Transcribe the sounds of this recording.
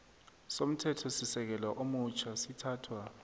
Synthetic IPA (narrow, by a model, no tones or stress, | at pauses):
som̩tʰɛtʰɔsisɛk̬ɛlaʔomut͡ʃʰasitʰaːtʰwa